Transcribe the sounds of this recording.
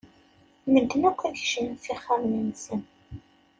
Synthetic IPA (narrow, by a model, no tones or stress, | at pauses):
məd̪ːənækʷːæçʃənθiχːəmminsən